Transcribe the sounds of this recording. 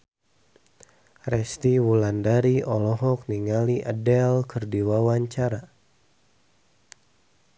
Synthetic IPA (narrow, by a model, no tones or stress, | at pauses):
rɛst̪iwulandaɾiɔlɔɦɔk̚niŋaliʔə̰dɛlkərdiwawaɲt͡ʃaɾa